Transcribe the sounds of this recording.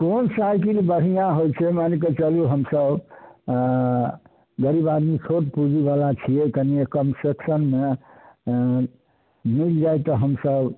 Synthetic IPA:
konsajkilbəɽ̤ijãɦojt͡ʃʰɛmaneket͡ʃəluɦəmsəb | ɡəɾibad̪mit͡ʃʰoʈpud͡ʒibalat͡ʃʰiɛkəniekəmseksənme | mild͡ʒajt̪ɔɦəmsəb

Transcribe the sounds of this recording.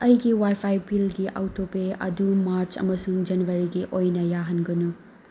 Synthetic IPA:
ɐjɡiwajpʰajpilɡiʔa̰wtʰopeɐ̰dumaɾt͡ʃɐ̰mɐsuŋd͡ʒɐnuwɐɾiɡiʔojnɐjaɦɐnɡɐnu

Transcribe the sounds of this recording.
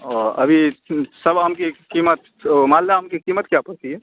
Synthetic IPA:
ɔəbʱisəbʱɦəmkekimət̪ | mald̪aɦəmkekimət̪kjapəɾt̪iɛ

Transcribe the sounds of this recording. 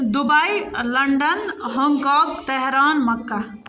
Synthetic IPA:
d̪ubajlɐɳɖənɦɔ̃ŋɡkaːɡt̪ɛɦɾaːnmɐkːa

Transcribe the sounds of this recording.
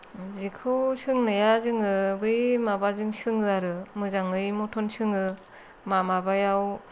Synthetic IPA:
zikʰɯwsɯŋnɯjazɯŋɯbɯjmabazɯŋsɯŋɯaɾɯmɯzaŋɯjmɔtʰɔnsɯŋɯ | mamabajaw

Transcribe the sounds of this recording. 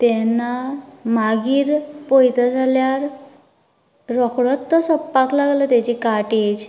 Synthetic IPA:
t̪ɛnamaɡiːɾpɔjt̪ad͡zʱaljaɾ | ɔkɽɔt̪ːɔsɔpːaklaɡlət̪at͡ɕikaʈid͡ʑ

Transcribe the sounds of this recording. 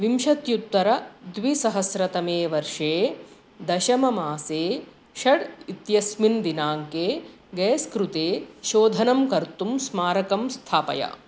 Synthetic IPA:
ʋimʃɐt̪jut̪ːʋɐɾɐd̪ʋisɐɦɐsɾɐt̪ɐmeːʋɐɾʂeː | d̪ɐʃɐmɐmaːseː | ʃɐɽit̪jɐsmind̪inaːŋkeː | ɡɛːskɾut̪eːʃoːd̪ʱɐnɐmkɐɾt̪umsmaːɾɐkɐmst̪ʰaːpɐ̰jɐ̰

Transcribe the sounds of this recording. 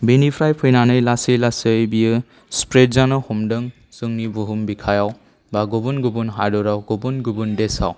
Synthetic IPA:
benipʰɾajpʰɯjnanɯjlasejlasɯjbijɯ | spɾet̚zanɯhumdɯŋ | sɯŋnibuɦumbikʰajaw | baɡɔbunɡubunɦadɔɾawɡobunɡubundesa̰w

